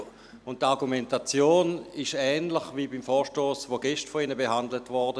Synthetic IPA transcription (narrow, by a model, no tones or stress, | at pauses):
ʊntːaʁɡumɛntat͡sjoːnɪʃɛːnləχvibimfɔːʃtoːsʋoɡɛʃtfɔinəbeɦandlətvɔʁdə